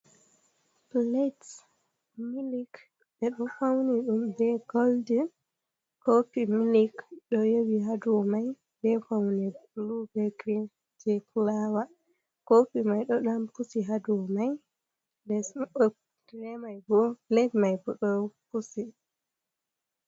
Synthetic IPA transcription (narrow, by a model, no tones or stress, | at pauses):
plet | milik | ɓɛɗɔfawniɗumbɛɡoldin | kopimilikɗɔjewiɦadumaj | bɛfawnɛblubɛɡɾin | d͡ʒɛkʰulawa | kopimajɗɔɗampusiɦadumaj | lɛs | d̥ɾɛmajbɔlɛtmajbɔɗɔpusi